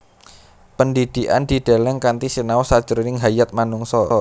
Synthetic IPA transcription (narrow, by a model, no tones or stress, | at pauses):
pənd̪id̪̥i̤ʔand̪̥id̪̥a̤lɛŋkant̪isinaɔsad̥ʒ̥əɾnɪŋɦajat̪̚manuŋsɔ